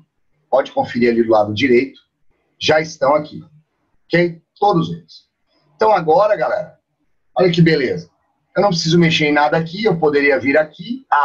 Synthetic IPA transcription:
pɔd͡ʒɪkõfɪɾiɾalid̪ʊlad̪ʊd͡ʒiɾejt̪ʊ̥ | ʒaist̪ɐ̃w̃akḭ | ɔkejt̪od̪ʊzelɪs | eẽt̪ɐ̃w̃aɡɔɾɐɡalɛ̰ɾɐ | ɔlɐk̬ɪbelezɐ | ewnɐ̃p̬ɾɪs̬izʊmeʃeɾẽj̃nad̪ɐakiewpod̪eɾiɐviɾakia

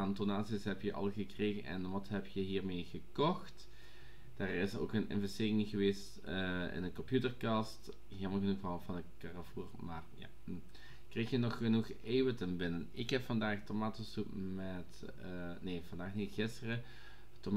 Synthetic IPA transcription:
antonaːtsisɦɛpjəʔɑ̰lˠɣəkreːɣənʔɛ̰nʋɑtɦɛpjəɦiːɹmeːɣəkɔxt | d̥aːrɪso̰ːkənɪ̰nvɛstɪːrɪŋɣəʋeːstː | ɪ̰nəkɔmpjutərkɑst | ɦɪlˠməlˠɣənuxɑlˠvɑnəkarafuːrmaːrja̰ː | krejxjənɔxːənux | eːvətəmbɪnənɪkɦɛpfɑndaːxtomaːtəsupmɛt | neːvɑndaːxnitɣɪstərə | tom

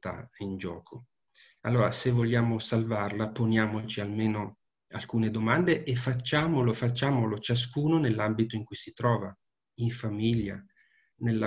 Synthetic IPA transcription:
t̪a̰ind͡ʒɔːkʰo | alːoːɾasevːoljaːmosalvarlaponjaːmot͡ʃialmeːno | alkuːned̪omand̪eʔefːat͡ʃːaːmolofat͡ʃːaːmolot͡ʃas̬kuːnonelːambit̪oiŋkujsit̪ɾɔːva | iɱfamiʎːa̰ | nelːa

